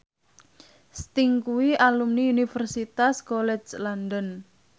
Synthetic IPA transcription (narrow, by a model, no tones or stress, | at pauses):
st̪iŋkuwiʔalumniunifərsit̪askolɛd͡ʒlandən